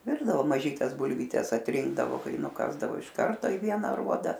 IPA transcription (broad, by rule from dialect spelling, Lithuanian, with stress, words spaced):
ˈʋʲɪrdɐʋoː mɐˈʒʲiːtʲɛs bʊlʲʋʲiːˈtʲɛs ɐtʲˈrʲɪŋɡdɐʋoː ˈkɐɪ nʊˈkɑːzdɐʋoː ɪʃ ˈkɐrtoː ɪ ˈʋʲiɛnɐ ɐˈruɔdɐ